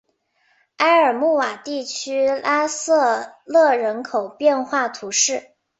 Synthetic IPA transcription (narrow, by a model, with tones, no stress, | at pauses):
a˥ɪə˞˨˩mu˥˩wa˨˩t̪i˥˩t͡ɕʰy˥lʔa˥sɤ˥˧lɤ˥˩ɻə˧˥nkʰo˨˩ʊpjɛ˥˧nxwa˥˩t̪ʰu˧˥ʂɻ̩˥˩